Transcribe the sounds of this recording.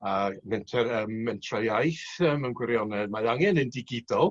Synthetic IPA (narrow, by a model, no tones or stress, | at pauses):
amɛntʰɛɾəmːɛntʰrɔjajθəmənɡwɪɾjɔnɛd̥̚maðaŋɛnəndɪɡɪdɔlˠ